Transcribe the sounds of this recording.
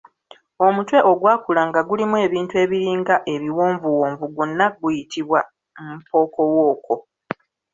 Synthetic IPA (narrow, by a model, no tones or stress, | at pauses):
o̞mutwe̞ʔo̞ɡwaːkulaŋɡaɡulimue̞ːβiːntue̞ːβiɾiːŋɡaʔe̞βiwoːɱvuwoːɱvuɡunːaɡujitʰiβwa | mupo̞ːko̞wo̞ːko̞